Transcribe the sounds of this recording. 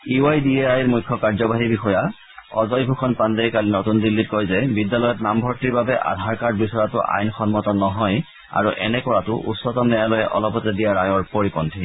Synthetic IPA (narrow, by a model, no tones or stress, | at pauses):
iajdiɛajɹmujkʰːɔkaɹzɔbaɦibixɔja | ɔ̰zɔjbʱukʰɔnpandejkalinotundilːit̚kɔjzɛbidjalɔjɔtnambʱɔɹtiɹbabɛʔa̰dʱaɹkad̚bisɔjatʊʔa̰jnxɔnmɔtɔnːɔɦɔj | a̰ɹuʔɛ̰nɛkɔɹatʊʔṵsːɔtɔmnɛjalɔjɛʔɔ̰lɔpɔtɛdijaɹajɔɹpoɹikɔntʰi